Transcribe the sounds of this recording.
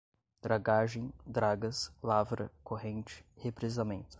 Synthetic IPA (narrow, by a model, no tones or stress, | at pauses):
d̪̥ɾaɡaʒẽj̃d̪ɾaɡɐslavɾɐ̰koɦẽnt͡ʃɪ̥hepɾezamẽnt̪ʊ̥